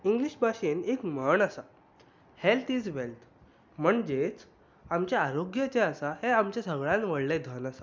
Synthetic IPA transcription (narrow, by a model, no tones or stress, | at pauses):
iŋɡliɕbʱaɕenekməɳasa | helt̪iːd͡zʋelt̪ | m̤əɳd͡ʑet͡s | amt͡ɕaaɾoɡjət͡seasaheamt͡ɕãsəɡɭãnʋəɽled̪ʱənasa